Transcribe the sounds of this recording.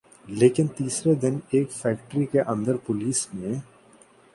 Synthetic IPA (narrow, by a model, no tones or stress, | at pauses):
leːkɪnt̪iːsɾed̪ɪneːkfɛːkʈɾikeʔɐ̃nd̪əɾpʊliːsmẽ